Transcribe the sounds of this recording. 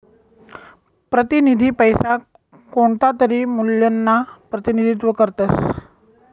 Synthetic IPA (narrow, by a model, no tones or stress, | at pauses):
pɾət̪inid̪ʱiːpəjsa | koɳt̪at̪əɾiːmuljənːapɾət̪inid̪ʱit̪̬ʋəkəɾt̪əs